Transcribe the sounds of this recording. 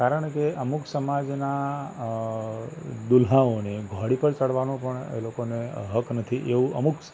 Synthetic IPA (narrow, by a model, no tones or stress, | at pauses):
aɾəɳkeʔəmuksəmad͡ʒna | d̪ʊlɦãoneɡʱɔɽipəɾt͡ʃəɽʋanũpəɳḛlokoneɦəknət̪ʰiʔeʋũʔəmuk